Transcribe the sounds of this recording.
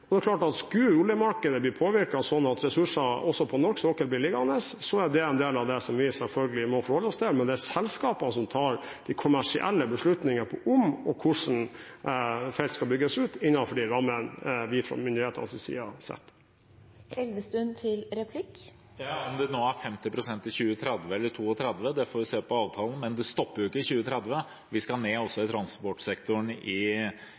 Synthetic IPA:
ɔd̪ɛkʰlɑːʈɑt̪skʉʊljəmɑɾkəd̪əblɪɾpʰoːʋɪɾkɑsɔnɑt̪ɾɛsʉʂɑɔsːɔpʰɔnɔɾksɔkəlblɪlɪɡɑnəssɔæɖ̪ɛɛnd̪eːlɑʋd̪ɛsɔmʋɪsɛlfœlɡəlɪmɔfɔɾhɔlːəɔst̪ʰɪlmɛnd̪ɛæsɛlskɑːpənəsɔmt̪ʰɑːɾd̪̥ɪkʰʊmæʂɪ̰ʔɛ̰lːəbəʂɭʉt̪nɪŋəpʰɔʔʊmɔkʰʊʂn̩ | fɛɪlt̪skɑlbʏɡːəsʉːt̪ɪnːɑfɔɖiːʋɑmɛnʋɪfɾɔ̰mʏnd̪ɪheːt̪ənsɪsḭːɑsɛ̰t̪ː | ɛlʋəst̪ʉnt̪ʰɪlɾɛpʰlɪk | jɑːɔmd̪ɛnoːæɾfɛmt̪ɪpɾʊsɛnt̪ɪlçʉːət̪ʰɾɛd̪ʋəɛlːəʈʰuːɔt̪ʰɾɛd̪ʋəd̪ɛfoːɾʋɪseːpɔɑːʋt̪ʰɑːln̩mɛnd̪ɛst̪ɔpːəɾjʊɪkːəɪçʉːət̪ʰɾɛd̪ʋə | ʋɪskɑɳeːɔsːɔɪt̪ʰɾɑnspɔʈsɛkt̪ʊɳɪ

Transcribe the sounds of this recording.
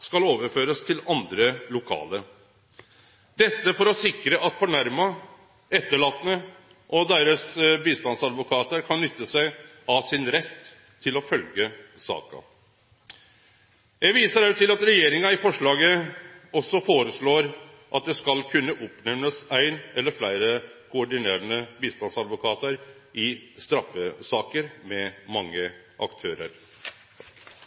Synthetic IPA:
skɑloːʋəɾføːɾəst̪ʰɪlɑnd̪ɾəlʊkʰɑ̰ːlə | d̪ɛt̪ːəfɔɾɔsɪkːɾəʔɑt̪fɔɳæɾmɑ | ɛt̪ːəɭɑːt̪ːənə | ʔɔd̪eːɾəsbiːst̪ɑnsɑd̪ʋʊkʰɑːt̪əɾkʰɑnːʏt̪ːəsæɪ | ɑsɪnɾɛt̪ʰː | ɪlɔfœlɡəsɑ̰ːkɑ̰ | jɛʋiːsəɾæʉt̪ʰɪlɑt̪ɾɛjeːɾɪŋɑɪfɔʂɭɑːɡəɔsːɔfoːɾəsɭoːɾ | ʔɑt̪̚d̪ɛskɑlkʰʉnːəʔʊpnɛmləsæɪnɛlːəɾflæɪɾəkʰʊɔɖɪneːɾənəbiːst̪ɑnsɑd̪ʋʊkʰɑːt̪əɾ | ʔɪst̪ɾɑfːəsɑːkəɾmɛmɑŋːə | ʔɑkt̪ʰøːɾə̰ɾ

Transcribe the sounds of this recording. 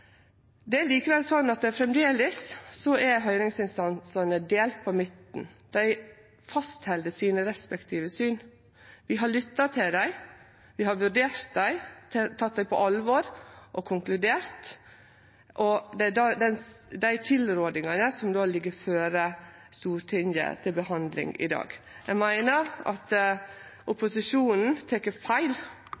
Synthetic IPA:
d̪ɛæɭiːkəʋɛlsɔnːɑt̪ɛfɾɛmd̪eːləsːɔʔæɾɦœʏɾɪŋsɪnst̪ɑnsɑnəd̪eːlt̪̚pʰɔmɪt̪n̩ | d̪̥æɪ | fɑst̪hɛld̪əsiːnəɾɛspɛkt̪ʰiːʋəsyːn | ʋɪɦɑɭʏt̪ːɑt̪ʰɪld̪æɪ | ʋɪɦɑɾʋʉɖ̪eːɾt̪̚d̪æɪt̪ʰt̪ʰɑt̪̚d̪æɪpʰɔ̰ʔɑlʋɔɾʔɔkʰʊŋklʉd̪eːɾt̪ | ʔɔd̪ɛd̪ɑd̪ɛn | d̪æɪt̪ʰɪlɾoːd̪ɪŋɑnəsɔmd̪oːlɪɡːəɾføːɾə | st̪uːɾʈʰɪŋə̰t̪ʰɪlbəhɑnd̪lɪ̰ŋɪ̰d̪ɑ̰ːɡ | jæɡmæɪnəɾʔɑ̰t̪ | ʔʊpʊsɪʂuːnn̩t̪ʰɛkːəfæɪl

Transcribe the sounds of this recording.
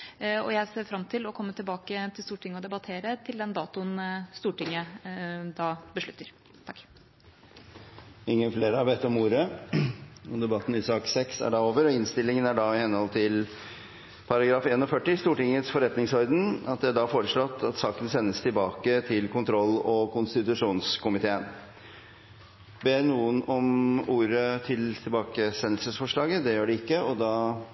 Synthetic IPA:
ɔ̰jæɪseːɾfɾɑmt̪ʰɪlɔkʰɔmːət̪ɪlbɑːkət̪ʰɪlst̪uːʈɪŋːəɔd̪ɛbɑt̪ʰeːɾət̪ʰɪld̪ɛnd̪ɑːt̪ʊnst̪uːʈɪŋːəd̪ɑːbəʂɭʉt̪ːəɾ | t̪ʰɑkː | ɪŋːənfleːɾəɑʋet̪ːɔmuːɾə | ɔd̪ɛbɑt̪ːn̩ɪsɑːksɛksæ̰ɖɑoːʋəɾɔɪnst̪ɪlːɪŋənæɖɑɪhɛnhɔlt̪ʰɪl | pʰɑɾɑɡɾɑːfeːnɔfœʈːɪst̪uːʈɪŋət̪sfɔɾɛt̪nɪŋsɔɾd̪ən̩ɑt̪̚d̪ɛæɖɑfoːɾəʂɭɔt̪ːɑt̪sɑːkənsɛnːəst̪ʰɪlbɑːkət̪ʰɪlkʊnt̪ʰɾɔlːɔkʊnst̪ɪt̪ʉʂuːnskʰʊmɪt̪ʰeːən | beːnuːənɔmuːɾət̪ʰɪlt̪ʰɪlbɑːkəsɛnːlsəsfɔʂɭɑːɡəd̪ɛjøːɖɪɪkːəɔd̪ɑː

